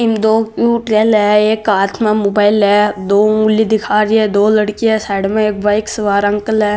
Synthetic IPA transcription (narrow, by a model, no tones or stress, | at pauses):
ɪmd̪oːkjuːʈɾeːlɦɛeːkaːt̪ʰmãmoːbaːɪlɦɛd̪oːulid̪ɪkʰaːɾiɦɛd̪oːlɐɽkiɦɛsaːɽmẽeːk̚baːɪksɐʋaːɾɐ̃ŋkəlɦɛ